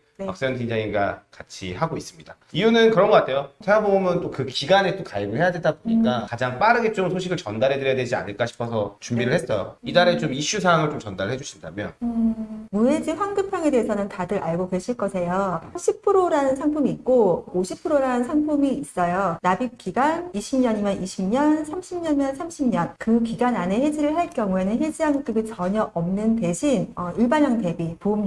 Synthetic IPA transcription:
neak̚s͈eʌntind͡ʑaŋinɡakat͡ɕʰihaɡois͈ɯmɲid̥a | ijunɯnkɯɾʌnɡʌk͈atʰe̞jotʰeaboɡomjʌnt͈okɯkiɡanet͈okaibɯɭɦhe̞jadwedaboɲik͈akad͡ʑaŋp͈aɾɯɡet͡ɕ͈omsʰoɕ̬ʰiɡɯɭt͡ɕʌndaɾɦe̞dɯɾjjaded͡ʑia̰nɯɭk͈aɕʰi̥pʰʌsʰʌt͡ɕumbiɾɯɭhe̞s͈ʌjo̰idaɾet͡ɕomiɕ͈usʰawaŋɯɭt͡ɕomt͡ɕʌndaɾɯɭhɦe̞d͡ʑuɕʰinda̰mjʌn | muɦe̞d͡ʑiɸwanɡɯpʰjaŋe̞de̞ɦesʰʌnɯntadɯɾʔaɭɡoɡeɕʰiɭk͈ʌsʰe̞joɕʰipʰɯɾoɾanɯnsʰaŋpʰumiːk̚k͈ooɕʰipʰɯɾoɾanɯnsʰaŋpʰumiis͈ʌjonabik͈iɡaniɕʰimɲʌɲimjʌnʔiɕʰimɲʌnsʰamɕʰimɲʌnmjʌnsʰamɕʰimɲʌnkɯkiɡanane̞he̞d͡ʑiɾɯɭɦaɭk͈jʌŋue̞nɯnɦe̞d͡ʑiɦaŋk͈ɯbit͡ɕʌɲʌʔʌmnɯnte̞ɕʰinʌiɭbaɲʌŋte̞bipom

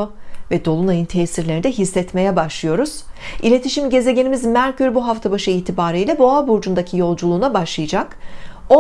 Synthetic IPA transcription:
ovɛd̪o̞lˠunajɯnt̪ʰɛːsiɾlʲeɾnd̪ɛɦisːɛt̪me̞jɛbaʃlˠɯjo̞ɾuz̥ilʲe̞t̪ʰiʃimɟe̞ze̞ɟe̞nimizmæɾʲcyɾbuɦaft̪ʰabaʃɯiːt̪ʰibaːɾɯjlʲɛboabuɾd͡ʒund̪acʰijo̞lˠd͡ʒulˠuːnabaʃlˠɯjɯd͡ʒako

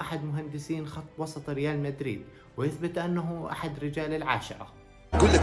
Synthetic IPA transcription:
ʔaħad̪mʊɦand̪ɪsiːnxɑt̪ˤːwɑsˤɑt̪ˤɾɪjaːlmad̪ɾḭːd̪̚ | wɪjɪθbɪt̪ʔanːaɦʊʔa̰ħad̪ɾɪd͡ʒaːlɪlʕa̰ːʃɪɾˤɑ̰ | kʊlː

